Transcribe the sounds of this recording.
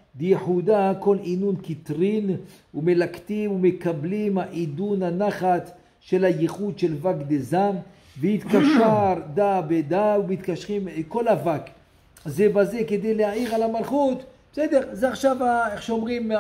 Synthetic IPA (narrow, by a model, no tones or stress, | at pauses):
dejeħud̪ako̞linunkit̪ʁin | umelakt̪imumekablimhaʔid̪unanaχat͡s | ʃe̞lajeχud̪ʃelvakd̪ezam | vehit̪kaʃaʁd̪abed̪aumit̪kaʃʁimko̞lavak | zebaze̞ked̪ejlehaʕiʁalamalχut̪b̥esed̪eʁzeaχʃavaeχʃeomʁim